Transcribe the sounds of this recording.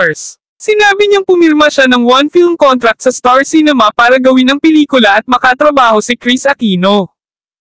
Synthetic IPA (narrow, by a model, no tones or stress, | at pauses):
s | sɪnaːbɪɲɐŋpʊmɪɾmɐʃanɐŋwɐnfilmkont̪ɾɐk̚t̪sɐst̪aɹsinɛmɐpaːɾɐɡɐwɪnɐŋpɛliːkʊlɐʔɐt̪̚mɐkɐt̪ɾɐbaːho̞sɪkɾisɐkiːno̞